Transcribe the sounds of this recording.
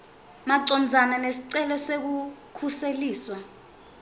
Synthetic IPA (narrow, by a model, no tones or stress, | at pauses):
maǀɔnd͡zʱananesiǀɛlɛsek̬ukʰuseliːswa